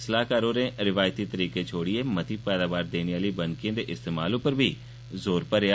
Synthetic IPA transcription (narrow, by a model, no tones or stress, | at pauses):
slaːkəɾõːɾẽːɾɪʋaːjt̪iːt̪əɾiːkeːt͡ʃʰoːɽɪeːmət̪ʰiːpɛːd̪aːʋaːɾd̪eːniaːliːbənkɪjãːd̪eːʔɪst̪eːmaːlʊpəɾbʱiː | zoːɾpəɾa